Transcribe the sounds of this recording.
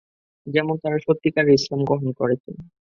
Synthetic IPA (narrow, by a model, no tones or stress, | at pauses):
d͡ʑɛmont̪aɾaʃot̪ːikaɾeislamɡɾoɦonkoɾet͡ɕʰen